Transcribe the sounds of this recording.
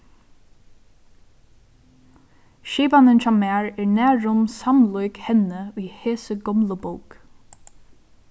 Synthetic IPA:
ʃiːpanənt͡ʃamæːɹɛːɹnæːɹʊmsamlʊjkhɛnəujheːsəɡɔmləbowk

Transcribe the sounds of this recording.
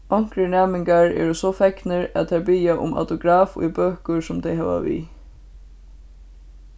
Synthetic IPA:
ɔŋ̥kɾəɳæːmɪŋkaɹɛ̰ːɹɔsɔfɛknəɹæ̰t̪ʰɛbiːjaʔʊ̰ma̰t̪ʊɡɾaːfʊ̰jbøːkʊɹsʊmd̪ʰɛɪɦɑːʋa̰ʋḭː

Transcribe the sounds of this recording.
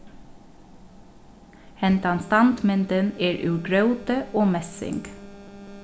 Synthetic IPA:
hɛnt̪ɑnst̪ɑnt̪mɛnt̪əneːɹʔʉːɡɹœʉt̪əʔoːmɛsɪ̰ŋɡ

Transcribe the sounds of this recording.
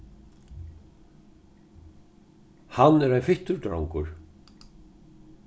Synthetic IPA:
hanːɛɾajnfɪht̪ʏɾt̪ɾawŋkʊɾ̥

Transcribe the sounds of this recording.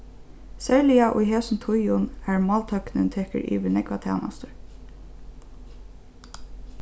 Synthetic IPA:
sæɹlɪɑʔʊ̰jɦeːsn̩t̪ʰʊjʊnæːɹmɑːlt̪ʰœknənt̪ʰɛːkə̰ɹʔḭːʋənɛɡʋɑt̪ʰæ̰ːnɑ̰st̪ʊɹ

